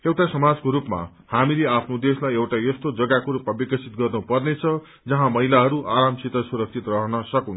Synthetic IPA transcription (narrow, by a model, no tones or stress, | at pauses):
ewʈasʌmad͡zkoɾupma̰ | hamileapʰnod̪eslajewʈajʌst̪od͡zʌɡakoɾupmabikʌsʰit̪̚ɡʌrnupʌrnet͡sʰʌ | d͡zʌɦãmʌɦilaɦʌɾuʔaɾamt͡sit̪ʌsuɾʌk̚t͡sʰit̪rʌɦʌnʌsʌkun